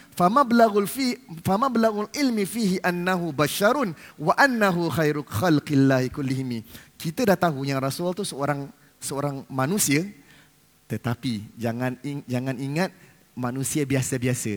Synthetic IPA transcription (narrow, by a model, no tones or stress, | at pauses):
famablaɣfifamablaɣulʔɪlmifiɦiʔanːaɦubaʃaɾʊnwaʔanːaɦuxajɾuxalqilːahikʊlːɪɦimikit̪ədaht̪aɦujaŋrasʊlt̪usəoɾaŋ | səoɾaŋmanũsiə | t̪ət̪apid͡ʒaŋãnid͡ʒaŋaniŋat̪̚ | manũsiəbiasəbiasə